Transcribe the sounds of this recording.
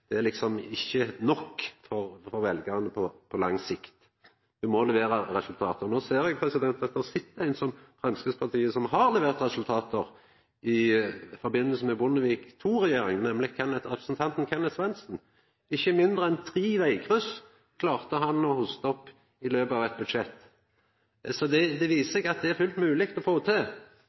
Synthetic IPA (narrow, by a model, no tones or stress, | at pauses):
d̪̥ɛæʁlɪksɔmɪçːənɔkːfɔʁfɔɾʋɛlɡəʁənəpʰɔpʰɔlɑŋsɪkt̪ | ʋɪmɔlɛʋeːɾəɾɛsʉlt̪ʰɑːt̪ənoːseːɾɛɡ̚pʰɾɛsɪd̪ɛnt̪ɑt̪̚d̪ɛʁsɪt̪ːəæɪnsɔmfɾɑnskəspʰɑʁt̪ʰiːəsɔmɦɑɾlɛʋeːʁt̪ɾɛsʉlt̪ʰɑːt̪əʁ | ʔɪfɔɾbɪnːəlsn̩mɛbʊnːəʋiːkt̪ʰuːʁɛjeːɾɪŋnɛmlɪkʰɛnət̪ʁɛpɾəsn̩t̪ʰɑnt̪nkʰɛnət̪sʋɛnsn̩ | ɪçːəmɪnd̪ʁəɛnt̪ʰʁiːʋæɪkʰʁʉs | kʰlɑːʁt̪əɦɑnɔhʊst̪əɔpː | ɪløːbɑːʋɛt̪̚bʉd̪ʂɛt̪ː | sɔd̪ɛd̪ɛʋiːsəsɛɡɑt̪̚d̪ɛæɾfʉlt̪mʉːlɪkt̪ɔfoːt̪ʰeː